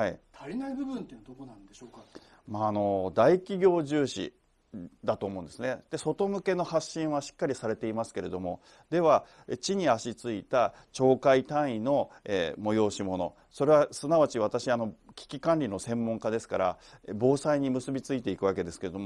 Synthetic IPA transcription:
hait̪ʰaɾʲinaibɯ̟bɯ̟̃nt̪end̪okonãnd̪eɕo̞ːka | maːno̞d̪aikʲiɡʲo̞ːʑɨːɕḭ | d̪at̪o̞ːmo̞ɯ̟̃nd̪e̞sɨned̪̥e̞so̞t̪o̞mɯ̟ke̞no̞haɕːĩɰ̃βaɕi̥kːaɾʲisaɾe̞t̪e̞imasɨ̥ke̞ɾe̞d̪o̞mo̞ | d̪e̞βa | t͡ɕiɲ̟iaɕit͡sɨit̪a | t͡ɕo̞ːkait̪ãɰ̃ĩno̞emo̞jo̞ːɕimo̞no̞̰ | so̞ɾe̞βasɨnaβat͡ɕiβ̞at̪aɕiano̞kʲi̥kʲikãnɾʲinosẽ̞mːõŋkad̪e̞sɨ̥kaɾa̰ebo̞ːsaiɲ̟imɯsɨbʲit͡sɨit̪e̞ikɯ̟βake̞d̪e̞sɨ̥ke̞ɾd̪o̞mo

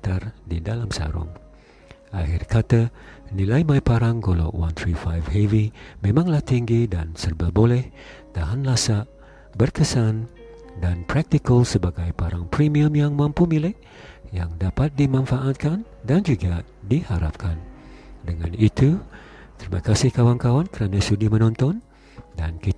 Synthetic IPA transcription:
t̪ardidalamsa̰ɾʊ̰ŋ | aɦɪrkʰat̪anilajmajpaɾaŋɡolo̰ʔwa̰nt̪ɾifajvhevimẽmãŋlaht̪iŋɡidansərbəbolɛh | t̪aɦanlasaʔ | bərkəsan | danpɾak̚t̪ikəlsəbaɡajpaɾaŋpɾimiəmjaŋmãmpumilɪʔ | jaŋdapat̪̚dimãnfaʔat̪̚kan | dand͡ʒuɡa | dihaɾa̰p̚kʰandəŋã̰nit̪u | t̪əɾima̰kasɪhkawankawankəɾanasudimənɔnt̪ɔn | danki

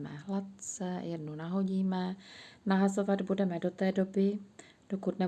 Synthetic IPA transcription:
mɛ̰ɦlat̪t͡sɛjɛdnunaɦo̞ɟiːmɛnaɦaso̞vad̪budɛmɛdo̞t̪ɛːdo̞bɪ | d̥okut̪nɛ

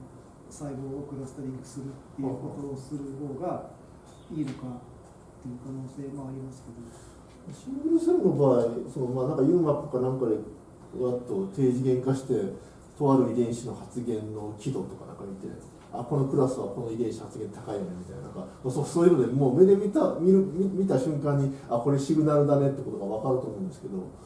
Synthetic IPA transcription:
saiɡoːkɯ̟ɾasɨ̥t̪aɾʲĩŋkɯ̟̥sɨɾɯ̟t̪ːejakot̪oːsɨɾɯ̟hoːɡa | iːno̞ka | t̪ːe̞jɯ̟kano̞ːse̞ːmoaɾʲimasɨ̥ke̞d̪o | maɕĩɡʲisɨɾɯnobaːisonomaːnãŋkajɯ̟mat̪okanãŋkad̪e | βat̪ːo̞t̪e̞ːʑiɡẽ̞ŋkaɕi̥t̪e̞ | t̪o̞βaɾɯ̟id̪ẽ̞ɰ̃ɕino̞hat͡sɨɡẽ̞nːo̞kʲid̪o̞t̪o̞ka̰nã̰ŋkamʲit̪e̞̰ | a̰ko̞no̞kɯ̟ɾasɨβako̞no̞id̪ẽɕi̥hat͡sɨɡẽ̞nt̪akaijonemʲit̪a̰ina̰nã̰ŋkamasosoːjinod̪emoːmed̪emʲit̪amʲiɾɯmʲimʲit̪aɕɨ̃ŋkãɲ̟ːiako̞ɾe̞ɕiɡɯ̟naɾɯ̟d̪ane̞t̪ːeko̞t̪o̞ɡaβ̞akaɾɯ̟t̪o̞ːmõːnd̪esɨ̥ke̞d̪o̞

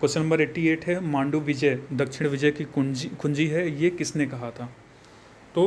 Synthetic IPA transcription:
kʊsnɐ̃mbəɾeːʈːieːʈɦɛmãːɳɖuʋɪd͡ʒɛd̪ɐkʃɪɽ̃ʋɪd͡ʒəjkikʰʊ̃ɲd͡ʒiɦɛjekɪsnekɐɦat̪ʰaː | t̪oː

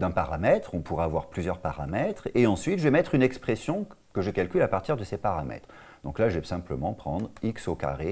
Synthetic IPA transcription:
d̪ɛ̃paʁamɛt̪χɔ̃puʁaːvwaʁplyzjœʁpa̰ʁa̰mɛt̪χeɑ̃sɥit̪ʒvɛmɛt̪χynɛkspχesjɔ̃ | kəʒəkalkʲylapaʁt̪iʁd̪əsepaʁamɛ̰t̪χ | d̪̥ɔ̰̃klaʒəvɛsɛ̃pləmɑ̃pχɑ̰̃d̪ʁiksoka̰ʁe

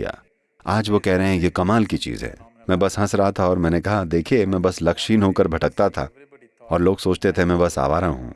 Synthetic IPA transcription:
a̰ː | aːd͡ʒʋokɛɦɾəɦɛ̃jekɐmaːlkit͡ʃḭːzɦɛ̰ː | mɛ̃ːbɐsɦɐ̃sɾaat̪ʰaɔːɾmɛ̃ːnekɐɦad̪eːkʰiemɛ̃ːbɐslɐkʃiːnɦoːkəɾbʱɐʈək̚t̪at̪ʰa̰ | ɔːɾloːɡsoːt͡ʃt̪et̪ʰemɛ̃bɐsa̰ːʋaːɾaɦṵ̃ː

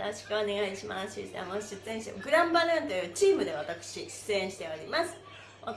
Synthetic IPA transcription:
ɾoɕi̥kɯone̞ɡaiɕima̰ɕit̪ea̰moiɕɨt͡sɨẽɕit̪emɡɯ̟ɾãmbaɾɯ̃nt̪o̞jɯ̟ːt͡ɕiːmɯ̟d̪e̞βat̪akɯ̟̥ɕiɕɨ̥t͡sɨẽɰ̃ɕi̥t̪e̞oɾʲimasɨ̥ | o

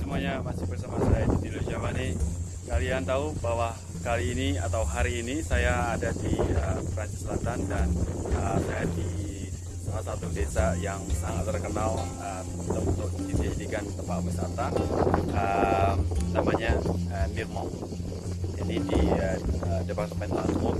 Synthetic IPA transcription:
sumuaɲamasɪpərsamasajad͡ʒutilad͡ʒawane | kaliaŋt̪aubawa | kaliːnia̰t̪auɦaɾiːnisajaːdadiəpəɾansisəlat̪andanəsajadi | masat̪udesajaŋənaŋat̪ərkənal | əm | t̪aunt̪ʊk̚disəd͡ʒadikant̪əmaʔbəsat̪a | əmnamaɲaəmirmɔ̰ŋ | inidiəədəpak̚t̪əmpanmaskʊk̚

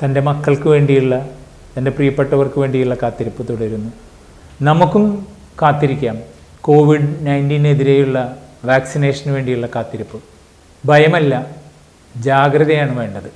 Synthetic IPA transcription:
t̪ɐnde̞mɐkːɐɭkɨʋe̞ːɳɖijuɭːɐ | t̪ɐnde̞prijɐpːɐʈːɐʋɐrkɨʋe̞ːɳɖijuɭːɐkaːt̪ːiɾɐpːɨt̪uɽɐiɾunːu | nɐmukːum | kaːt̪ːiɾikʲːaːm | ko̞ːʋiɖnɐjndiːne̞ðiɾejuɭːɐʋaːksine̞ːʂɐnʋe̞ːɳɖijuɭːɐkaːt̪ːiɾɐpːɨ | bʱɐjɐmɐlːɐ | d͡ʑaːɡrɐðɐjaːɳɨʋe̞ːɳɖɐðɨ

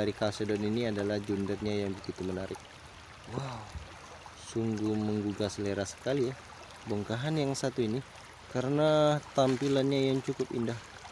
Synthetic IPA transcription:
aɾikasedɔniniadalahd͡ʒundərɲajaŋbəɡit̪umənaɾɪk̚ | waw | suŋɡuməŋɡuɡasleɾasə̥kalija | boŋkaɦanjaŋsat̪uini | kaɾənat̪ampilanɲajaŋt͡ʃukʊpḭndah

